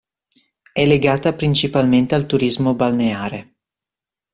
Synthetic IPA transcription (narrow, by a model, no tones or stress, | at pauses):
ɛlːeɡaːt̪apɾint͡ʃipalment̪ealt̪uɾizmobalneaːɾe